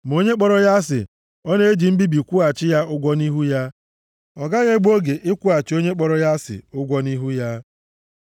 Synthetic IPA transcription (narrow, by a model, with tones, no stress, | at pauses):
m˨o˦ɲe˦k͡pɔ˦ɾɔ˦ja˦s̬ɪ̰˨ | ɔ˦ne˦e˦d͡ʒi˨m̩˦bi˦bi˨kʷu˦a˨t͡ʃɪ˦ja˦ʊ˦ɡʷɔ˦ni˦ɦu˦ja˦ | ɔ˨ɡa˦ɣe˦ɡ͡bo˦ɡe˨ʔɪ˦kʷʊ˦a˨t͡ʃɪ˨˦o˦ɲe˦k͡pɔ˦ɾɔ˦ja˦sɪ̰˨ʊ˦ɡʷɔ˦ni˦ɦu˦ja˦